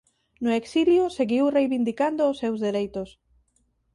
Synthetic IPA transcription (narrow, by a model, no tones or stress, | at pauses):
nʊeksiljʊseɣiwrejβind̪ikand̪oːsːewzðeɾejt̪ʊs